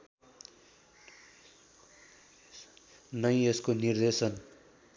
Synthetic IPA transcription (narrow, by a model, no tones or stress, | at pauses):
nʌj̃eskonird̪esʌn